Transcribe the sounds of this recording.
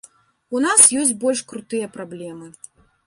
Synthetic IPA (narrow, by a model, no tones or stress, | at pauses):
unasjɔsʲt͡sʲbɔlʲʂkɾut̪ɨjɐpɾablʲɛmɨ